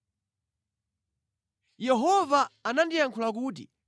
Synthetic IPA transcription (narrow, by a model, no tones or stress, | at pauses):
jɛɦɔvaːnandijaŋkʰulak̬uːtḭ